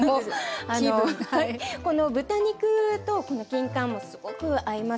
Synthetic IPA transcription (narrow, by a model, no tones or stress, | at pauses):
oanohaiko̞no̞bɯ̟t̪aɲ̟ikɯ̟t̪o̞ko̞no̞kʲĩŋkãmːo̞sɨ̥ɡ̥o̞kɯ̟aima